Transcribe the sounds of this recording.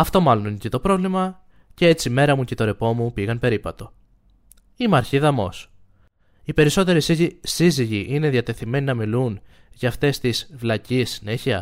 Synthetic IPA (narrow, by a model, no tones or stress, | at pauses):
ɐft̪o̞mɐlo̞ninecet̪o̞pɾo̞vlimɐ | ce̞e̞t͡sime̞ɾɐmucet̪o̞ɾe̞po̞mupiɣɐnpe̞ɾipɐt̪o̞ | imɐɾçiðɐmo̞̰s | ipe̞ɾiso̞t̪e̞ɾisiʝisiziʝiʔine̞ðjɐt̪e̞θime̞ninɐmilun | ʝɐːft̪e̞st̪izvlɐcisːine̞çiɐ